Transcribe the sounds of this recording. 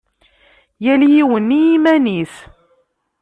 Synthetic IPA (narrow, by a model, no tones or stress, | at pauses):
jæljiwənːijimæniθ